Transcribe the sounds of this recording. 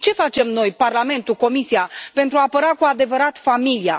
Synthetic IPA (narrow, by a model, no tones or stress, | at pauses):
t͡ʃe̞fat͡ʃe̞mno̞jparlame̞nt̪uko̞misiapent̪ɾuaːpəɾakuad̪e̞vəɾat̪familia